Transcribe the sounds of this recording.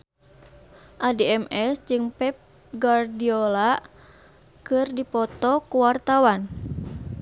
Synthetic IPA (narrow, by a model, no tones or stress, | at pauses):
ʔadɛɛmɛsd͡ʒɨŋpɛp̚ | ɡardiola | kɨrdipɔt̪ɔkuwart̪awan